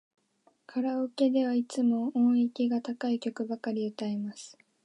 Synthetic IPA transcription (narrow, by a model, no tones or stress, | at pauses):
kʰaɾaoke̞d̪e̞βait͡sɨmo̞õikʲiɡat̪akaikʲo̞kɯ̟bakaɾʲiɯ̟t̪aemasɨ̥